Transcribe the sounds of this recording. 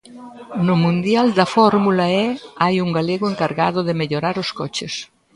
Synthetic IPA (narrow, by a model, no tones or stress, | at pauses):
nomũnd̪jald̪ɐfɔɾmulaɛajuŋɡaleɣoeŋkaɾɣaðoðemeʎoɾaɾoskɔt͡ʃes